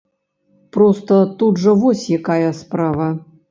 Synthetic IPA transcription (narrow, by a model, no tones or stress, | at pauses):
pɾost̪ɐt̪udʐɐvɔsʲjakajɐspɾavɐ